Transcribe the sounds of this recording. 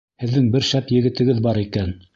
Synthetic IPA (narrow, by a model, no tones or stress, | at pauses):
hɘ̆ðːɘŋbɘɾʃæpjɘ̆ɡɘ̆t̪ɘ̆ɡɘðbɑɾikæn